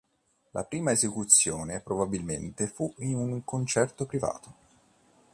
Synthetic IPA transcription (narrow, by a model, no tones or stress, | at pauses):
lʔa̰pɾiːmaezekut̪sːjoːnepɾobabilment̪efuinuŋkont͡ʃɛrt̪opɾiva̰ːt̪o